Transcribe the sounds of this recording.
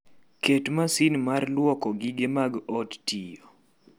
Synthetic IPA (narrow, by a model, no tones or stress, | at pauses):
ketmasinmarlwɔkɔɡɪɡemaɡɔttijɔ